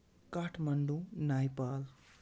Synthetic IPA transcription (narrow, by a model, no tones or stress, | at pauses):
kaʈʰmɐɳɖũnajpaːl